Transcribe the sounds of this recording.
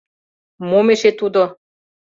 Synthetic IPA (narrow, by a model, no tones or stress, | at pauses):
momeʃet̪ud̪o